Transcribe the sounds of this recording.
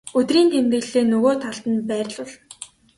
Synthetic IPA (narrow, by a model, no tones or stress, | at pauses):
ɵt̪riːnt̪ʰemt̪ɘ̆ɣɮeːnɵɣoːt̪ʰaɮt̪ə̆npæːrʲɮʊɮ